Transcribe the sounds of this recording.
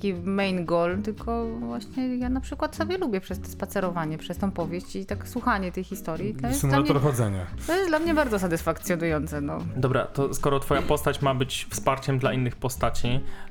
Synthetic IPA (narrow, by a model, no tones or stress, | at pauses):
t̪akʲimɛjnɡɔlt̪ɘlkʰɔvwaɕɲɛjanapʂɘkwat̪sɔbʲjɛlubʲjɛpʂɛst̪ɛ̥spat̪sɛɾɔvaɲɛpʂɛst̪ɔ̃w̃pɔvʲjeɕt͡ɕit̪akswuxaɲɛt̪ɛjxʲist̪ɔɾʲjiɔjɛsmulalamɲɔɾxɔzɛɲa̰t̪ɔjɛsd̪lamɲɛbaɾd̪zɔsat̪ɘsfakt̪sjɔnujɔnt̪sɛnɔ̰d̪ɔbɾa̰t̪ɔskɔɾɔt̪fɔjapɔst̪at͡ɕmabɘt͡ɕfspaɾt͡ɕɛmd̪laʔinːɘxpɔst̪at͡ɕi